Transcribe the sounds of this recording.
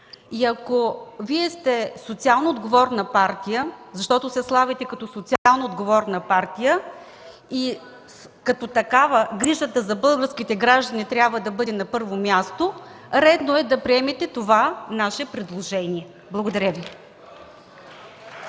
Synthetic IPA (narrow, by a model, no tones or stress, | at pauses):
iɐkoviɛst̪ɛsot̪sialˠnoːd̪ɡovɔɾnɐpaɾt̪ijəzɐʃt̪ɔt̪osɛslˠavɛt̪ɛkɐt̪ɔsot̪sʲialˠnoːd̪ɡovɔɾnəpaɾt̪ijə | i | kɐt̪ot̪ɐkavəɡɾiʒət̪əzɐbɤlˠɡəɾskit̪ɛɡɾaʒd̪ənit̪ɾʲabvəd̪ɐbɤd̪ɛnɐpɤɾvomʲjast̪o | ɾɛd̪noɛd̪ɐpɾiɛmɛt̪ɛt̪ovanaʃɛpɾɛd̪lˠoʒɛniɛ | blˠɐɡod̪ɐɾʲəvi